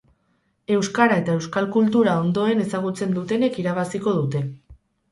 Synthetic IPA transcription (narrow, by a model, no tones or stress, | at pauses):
e̞wskaɾae̞t̪ae̞wskalkult̪̬uɾao̞nd̪o̞e̞ne̞saɣ̞ut͡se̞nd̪ut̪e̞ne̞kiɾaβ̞asiko̞ðut̪e̞